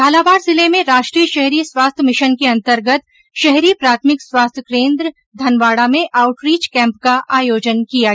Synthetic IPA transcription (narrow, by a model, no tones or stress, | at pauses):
ɡʱaːlabaːɾzɪlemẽɾaːʃʈɾiːjəʃɛɦɾiːəswaːst̪ʰjəmɪʃənkeɐ̃nt̪əɾɡət̪ | ʃɛɦɾipɾaːt̪ʰmɪkswaːst̪ʰjəkɾẽːnd̪ɾə | d̪ʱɐnʋaːɽamẽʔaːʊʈɾiːt͡ʃkɛ̃ːmp̚kaʔaːjoːd͡ʒənkija